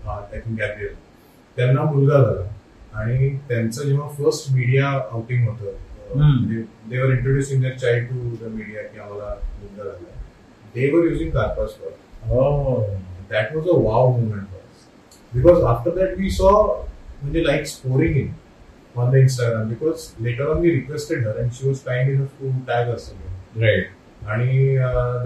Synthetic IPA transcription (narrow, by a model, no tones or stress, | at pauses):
ɦãt̪akĩŋɡæbɾiəl | t̪janːamulɡad͡zʱala | aɽ̃it̪jãnt͡sad͡ʑeʋ̤afəɾsʈmiɽijaawʈĩŋɡɦot̪ə | d̪ed̪eʋəɾĩɳʈɾoɖjusĩŋd̪eɾt͡ɕajɖ̚ʈud̪əmiɽijakĩãʋalamulɡad͡zʱala | d̪eʋəɾjuːd͡zĩŋɡ̪aɾpəskɔɾo | d̪æʈʋɔzəʋawmomẽɳʈfɔɾə̰s | bikɔzafʈəɾd̪æʈʋiːsɔm̤əɳd͡ʑelaɪkspoɾĩŋɪ̃n | ɔ̃nd̪əinsʈaɡɾãmbikɔːzleʈəɾɔ̃nʋiːɾikʋesʈeɽɦəɾɛ̃ɳʃiʋɔzʈãɪ̃minəfʈuʈæɡəsəmeɾaɪʈ̚ | aɽ̃iə